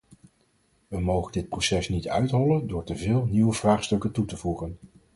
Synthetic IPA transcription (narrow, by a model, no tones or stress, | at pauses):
ʋəmowχəndɪt̚prosɛsnitœ̰ɥtɦɔləndʊːɹtəvɪːlˠniwəvraːχstɵkəntutəvuχən